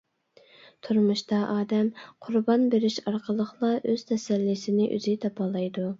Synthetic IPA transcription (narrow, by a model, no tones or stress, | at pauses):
t̪ʰuɾmuʃt̪ɑʔɑːd̪ɛmqʰʊɾbɑnbeɾɪʃɑɾqʰəlˠəχlˠɑʔøz̥t̪ʰɛsɛlːisɪnɪʔy̰zɪt̪ʰɑpʰɑlˠɑjd̪u